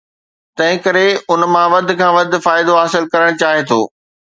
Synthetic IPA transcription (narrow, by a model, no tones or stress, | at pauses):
t̪ɐ̃ɦɪ̃kɐɾeʊnmãʋɐd̪̆ʱkʰãːʋɐd̪ʱʊ̆faːɪd̪oɦaːsɪlkɐɾəɽ̃t͡ɕaːɦet̪ʰo̰ː